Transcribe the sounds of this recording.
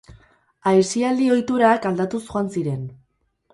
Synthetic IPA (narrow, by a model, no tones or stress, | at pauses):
ajsiald̪io̞jt̪uɾakald̪at̪usuansiɾe̞n